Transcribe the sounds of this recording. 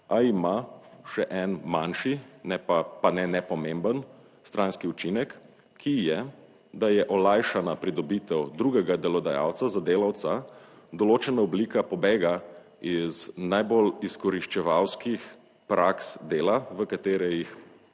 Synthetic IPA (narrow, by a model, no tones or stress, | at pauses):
aimaʃɛʔɛnmanʃinɛpapanɛnɛpɔmembən | st̪ɾʔãnskiut͡ʃinɛkː | ijɛ | d̪ajɛʔɔlajʃanapɾid̪ɔbit̪ɛwd̪ɾuɡɛɡad̪ɛlɔd̪aja̰wt̪sazad̪eːlawt̪sa | d̪ɔloːt͡ʃɛnaɔblikapɔbeːɡa | iznajboliskɔɾiʃt͡ʃɛʋawskix | pɾʔaksd̪eːlaʋəkat̪eːɾɛjix